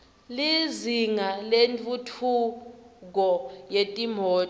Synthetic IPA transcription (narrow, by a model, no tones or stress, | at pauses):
liziŋalent͡fʼutʰuk̬ɔjetʼimɔː